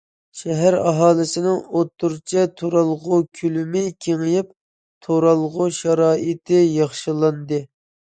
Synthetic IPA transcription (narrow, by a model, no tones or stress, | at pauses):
ʃɛɦæɾɑɦɑːlˠɨsɨnɨŋot̪ʰːuɾt͡ʃʰɛt̪ʰoɾɑlˠʁʊkʲʰylymɪkʲʰeŋɨjip̚ | t̪ʰoɾɑlˠʁʊʃɑɾɑːʔɨt̪ʰɪjɑχʃɨlˠɑnd̪ɨ